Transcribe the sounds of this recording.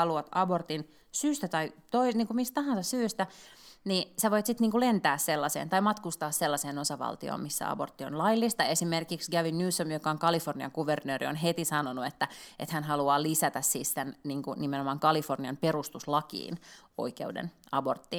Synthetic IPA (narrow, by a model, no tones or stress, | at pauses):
ɑluɑt̪ɑbort̪in | syːst̪æt̪ɑit̪oiniːŋkumist̪t̪ɑɦɑnsɑssyːst̪ænisæʋoit̪sit̪niːŋkulent̪æːsselːɑsḛːnt̪ɑimɑt̪kust̪ɑːsselːɑseːnosɑʋɑ̰lt̪io̰ːmisːæ̰ɑ̰bort̪ːionlɑilːist̪ɑesimerkiksɡæʋinnyːsːomjokɑoŋkɑliforniɑ̰ŋɡuʋernøːɾḭo̰nɦet̪isɑnonuet̪ːæʔḛt̪hænɦɑluɑːlisæt̪æssiːssenniːŋkunimenomɑŋkɑliforniɑmpeɾust̪uslɑkḭːno̰ikeudḛnɑ̰bo̰rt̪ːiːn